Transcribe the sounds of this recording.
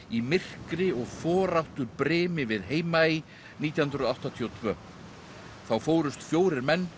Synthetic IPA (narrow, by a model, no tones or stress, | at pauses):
imɪr̥kɾɪɔɣfɔːɾawht̪ʏpɾɪːmɪvɪðɦeːjmai | niːt̪jahnɾʏðawht̪at̪ʰiɔt̪ʰvœː | θawfoːwɾʏst̪fjoːwɾɪɾmɛnː